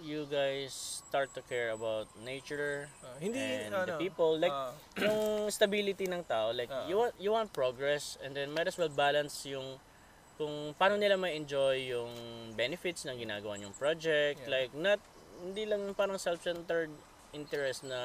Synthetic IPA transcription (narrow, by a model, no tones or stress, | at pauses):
juɡajsːt̪aɹt̪ːukʰɛɹɐbawt̪̚nejt͡ʃʊɹhɪ̃nd̪ipiːpolːajk̚jʊŋst̪ɐbilɪt̪inɐŋt̪aːʔolajkjuwant̪juwãnt̪̚pɹoɡɹɛsɛ̃nd̪ɛ̃nmɐjd̪ɐswɛlbaːlɐnsjʊŋ | kʊŋpaːnonɪlamɐjɛnd͡ʒojːʊŋbɛnɪfɪt̪snɐŋɡɪna̰ːɡɐwaɲʊŋpɹod͡ʒɛk̚t̪lajk̚nɐt̪̚ | hɪnd̪ilɐŋjʊŋpaːɾɐŋsɛlfsɛnt̪ɛɹd̪ | ʔɪ̃nt̪ɛɹɛst̪nɐ